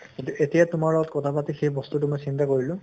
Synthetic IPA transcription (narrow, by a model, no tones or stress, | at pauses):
kĩntʊʔetijatʊmaɹlɔɡɔtkɔtʰapatixejbɔstutʊmojsintakoɹilʊ̃